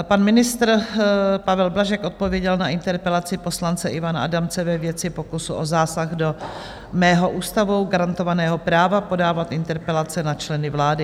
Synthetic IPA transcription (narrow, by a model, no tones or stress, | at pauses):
panmɪnɪst̪ɾpavɛlblaʒɛkʔot̪̚povjɛɟɛlnaʔɪnt̪ɛɾpɛlat͡sɪpo̞slant͡sɛʔɪvanaa̰damt͡sɛvɛvjɛt͡sɪpokusuʔozaːsaɣdo̞ | mɛːɦo̞ʔuːst̪avowɡaɾant̪o̞vanɛːɦo̞pɾaːvapo̞daːvat̪ʔɪnt̪ɛɾpɛlat͡sɛnat͡ʃlɛnɪvlaːdɪ